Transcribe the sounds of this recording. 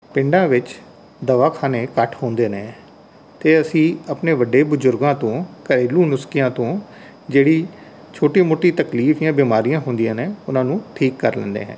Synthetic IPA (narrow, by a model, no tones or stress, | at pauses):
pɪɳɖãːʋɪt͡ʃ | d̪əʋaːkʰaːneːkəʈʰhõːnd̪eːneː | t̪eːəsĩːəpneːʋəɖːeːbʊzʊɾɡãːt̪õːkəɾeːlũːnʊskijãːt̪õː | d͡ʒeːɽiː | t͡ʃʰoːʈiːmoːʈiːt̪əkliːfʰɪjãːbiːmaːɾijãːɦʊnd̪ijãːneːʊnãːnũːʈʰiːkːəɾlɛ̰̃nd̪ḛːɦɛ̰̃ː